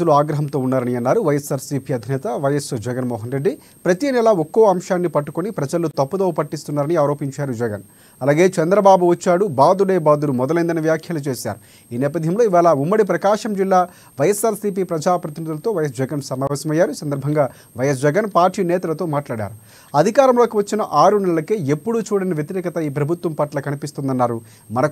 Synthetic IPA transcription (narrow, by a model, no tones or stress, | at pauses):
uluaːɡɾɐɦɐmt̪o̞ːunːaːɾɐniɐnːaːɾuʋɐjesaːɾsipiɐd̪ʱinɛːt̪ɐʋɐjɐsd͡ʒɛɡɐnmɔːɦɐnɾeɖːi | pɾɐt̪iːnɛlaɔkːoːɐmʃaːnːipɐʈːu̥kunipɾɐd͡ʒɐlut̪ɐpːud̪oːpɐʈːist̪unːaːɾɐniaːɾo̞ːpiɲt͡ʃaːɾud͡ʒɛɡɐ̰n | ɐlaːɡe̞ːt͡ʃɛnd̪ɾɐbaːbuʋɐt͡ʃːaːɽubaːd̪uɽeːbaːd̪ulumɔd̪ɐlɐjnd̪ɐnɐʋjaːkʰjɐlut͡ʃe̞ːsa̰ːɾu | iːnɛːpɐd̪ʱjɐmlo̞ːiʋaːlɐumːɐɽip̬ɾɐkaːʂɐmd͡ʒilːaː | ʋɐjɐsaːɾsiːp̬iːpɾɐd͡ʒaːpɾɐt̪inid̪ulɐt̪o̞ːʋɐjɐs̬d͡ʒɛɡɐnsɐmaːʋɛːsɐmɐjːaːɾuisɐnd̪ɐɾbʱɐŋɡaː | ʋɐjɐs̬d͡ʒɛɡɐnpaːɾʈiːnɛːt̪ɐlɐt̪o̞ːmaːʈlaːɽa̰ːɾu | ɐd̪ʱikaːɾɐmlo̞ːkiʋɐt͡ʃːinɐʔaːɾunɛɭɐlɐkeːepːuɽut͡ʃuːɽɐnɐʋjet̪iɾɛːkɐt̪ɐiːpɾɐbʱut̪wʋɐmpɐʈlɐkɐnipist̪und̪ɐnːaːɾu | mɐnɐk